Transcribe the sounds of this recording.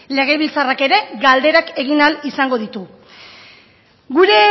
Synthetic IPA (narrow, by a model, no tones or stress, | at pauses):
le̞ɣ̞e̞βilt͡sarake̞ɾe̞ɡald̪e̞ɾake̞ɣ̞inalisaŋɡo̞ð̞it̪u | ɡuɾe̞